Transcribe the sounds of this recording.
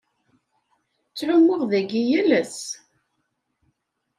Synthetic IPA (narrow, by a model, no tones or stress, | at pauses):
t͡sːʕʊmːʊʁðæɡijələs